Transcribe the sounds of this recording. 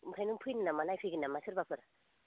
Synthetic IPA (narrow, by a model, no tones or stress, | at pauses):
pʰajnuŋpʰɯjnɯnamanajpʰɯɡɯnamasʰɯɾbapʰɯɾ